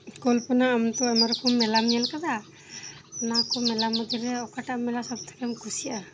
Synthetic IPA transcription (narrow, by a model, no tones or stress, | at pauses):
kɔlpɔnaːmt̪ɔɛmaɾɔkɔmːɛlamijalkad̪a | nakɔmɛlamːɔd̪iɾɛɔkaʈaʔmɛlasɔb̚t̪ʰḁkɛmkʰusiaʔa